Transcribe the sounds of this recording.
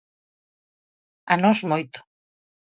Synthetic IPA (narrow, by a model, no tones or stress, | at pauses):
anozmojt̪o̥